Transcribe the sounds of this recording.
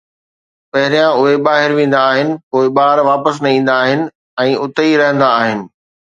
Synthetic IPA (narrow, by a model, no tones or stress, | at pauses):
pɐɦɪɾijãʊɦeɓaːɦɪɾʋẽːn̆d̪aːɦɪnɪ̆koːɪɓaːɾʋaːpəsnɐĩːn̆d̪aːɦɪnɪ̆ | ɛ̃ːʔʊt̪əiɾɐɦə̃n̆d̪aːɦɪnɪ̆